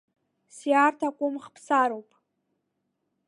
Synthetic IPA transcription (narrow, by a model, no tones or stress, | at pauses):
sjartʰakʷʼʊmχpʰsaɾowpʼ